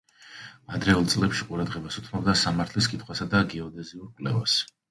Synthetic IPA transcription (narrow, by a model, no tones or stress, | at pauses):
ad̪ɾɛulˠt̪sʼlɛpʃiqʼuɾad̪ʁɛbasut̪ʰnɔbd̪asamaɾt̪ʰliskʼit̪ʰχwasad̪aɡɛɔd̪ɛziuɾkʼwlɛ̰va̰s